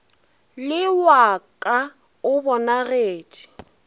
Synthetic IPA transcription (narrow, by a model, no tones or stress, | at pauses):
lɪwakʼa | ʊbɔnaɣeːt͡ʃʼi̥